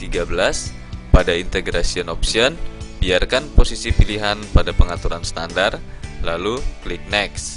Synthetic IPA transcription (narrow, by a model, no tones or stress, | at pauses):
t̪iɡabəlas | padaint̪eɡɾasiɔnɔpsiɔnbiarkanposisipiliɦanpadapəŋat̪uɾanst̪andarlaluklik̚nɛks